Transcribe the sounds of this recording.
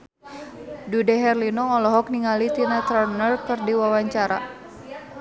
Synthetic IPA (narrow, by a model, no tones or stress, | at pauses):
dudɛɦɛrlinɔɔlɔɦɔkniŋalit̪inat̪ɾarnərkɨrdiwawaɲt͡ʃaɾa̰